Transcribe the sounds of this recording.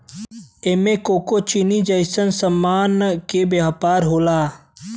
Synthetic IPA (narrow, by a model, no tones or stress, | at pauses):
eːmẽːkoːkot͡ʃinid͡ʒəɪsənsəmːaːnkebeɦapaːɾɦoːlaː